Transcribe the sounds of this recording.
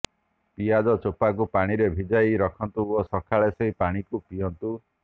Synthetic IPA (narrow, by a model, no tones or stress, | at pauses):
pijadɔt͡ʃopak̬upaɽ̃iɾebʱid͡ʒajɾɔkʰɔnt̪uosɔkʰaɭesɔɦipaɽ̃ikupijɔnt̪u